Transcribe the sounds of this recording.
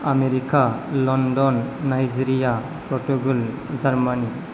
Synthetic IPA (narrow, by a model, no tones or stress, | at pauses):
ameɾikalɔnɖɔnːajd͡ʒiɾija | pɾɔʈuɡul | d͡ʒaɾmani